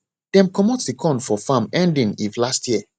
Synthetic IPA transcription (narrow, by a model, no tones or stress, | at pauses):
d̥ɛ̃mkʰɔmɔtdikʰɔ̃ndfɔfãmɛ̃ndĩnivlastʰjiə